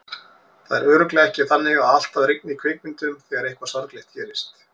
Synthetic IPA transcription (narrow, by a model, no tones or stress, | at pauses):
θaðɛɾœːɾʏklɛːɣɛhcɪθanːɪɣaal̥t̪aðɾɪk̚nikʰvɪːkmɪnt̪ʏmθɛɣaɾejhkvasaɾk̪lɪht̪çɛːɾɪst̪